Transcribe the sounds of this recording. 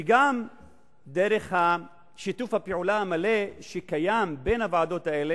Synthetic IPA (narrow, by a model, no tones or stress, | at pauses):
iɡam | d̪eʁeχha | ʃit̪ufhapeʕulaamale̞ʃekajambe̞nhavaʕad̪o̞t̪aele